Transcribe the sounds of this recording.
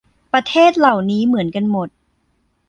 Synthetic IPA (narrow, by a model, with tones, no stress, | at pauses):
pɾa˧t̪ʰeː˥˩t̪̚la˨˩wniː˦˥mɯ˩˦ənka˧nmo˨˩t̪̚